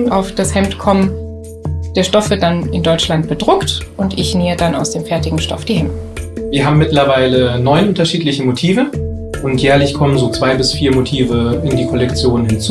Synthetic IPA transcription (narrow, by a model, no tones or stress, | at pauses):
ʔaʊfd̥ashɛmtkʰɔmən | d̥eːɐʃtɔfv̥ɪɐt̚d̥anɪndɔʏt͡ʃlantb̥ədʁʊktʔʊntɪçneːədana̰ʊsd̥eːmfɛɐtɪɡŋ̩ʃtɔ̰fd̥iːhɛmtviːɐɦaːbm̩mːɪtlɐvaɪlənɔʏnʔʊntɐʃiːtlɪçəmotʰiːvə | ʔʊntjɛːɐlɪçkʰɔmənzoːt͡sv̥aɪbɪsfiːɐmotʰiːvəɪndiːkʰɔlɛkt͡sjoːnnhɪnt͡suː